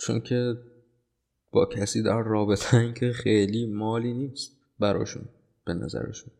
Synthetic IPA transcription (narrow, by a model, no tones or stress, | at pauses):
t͡ʃʰo̰ncʰe | b̥ɒːcʰæsiːd̪æɾːɒːbe̞t̪ʰeiːŋcʰexejliːmɒːliːniːst̪̚ | bæɾɒ̰ːʃṵn | b̥e̞næ̰zæ̰ɾḛʃun